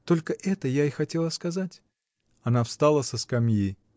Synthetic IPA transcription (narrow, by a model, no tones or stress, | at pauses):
t̪olʲkəʔɛt̪əjaixɐtʲe̞lˠəskɐzatʲ | ɐnafst̪alˠəsəskɐmji